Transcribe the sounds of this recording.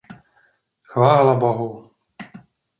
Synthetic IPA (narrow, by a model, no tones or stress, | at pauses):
xvaːlabɔɦu